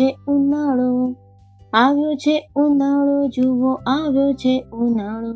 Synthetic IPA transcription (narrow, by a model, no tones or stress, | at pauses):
eũnaɭo | aʋjot͡ʃʰeũnaɭod͡ʒuʋoʔaʋjot͡ʃʰeunaɭo